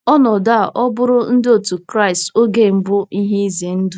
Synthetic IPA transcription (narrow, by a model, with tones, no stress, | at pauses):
ɔ˦nɔ˨da˦a˨ʔɔ˦bʊ˦ɾʊ˦n̩˦dɪ˦o˨tu˨kɾa˦ɪ˨sto˦ɡe˦˨m̩˦bʊ˦i˦ɦe˦i˦zi˨e˨n̩˦du˦